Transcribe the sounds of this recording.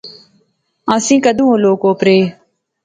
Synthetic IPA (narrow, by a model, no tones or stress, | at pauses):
ãːsĩːkəd̪ʱũːõloːkoːpɾeː